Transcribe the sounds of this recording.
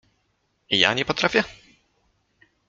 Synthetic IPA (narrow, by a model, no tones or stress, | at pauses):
ija̰ɲɛpɔt̪ɾafʲjɛ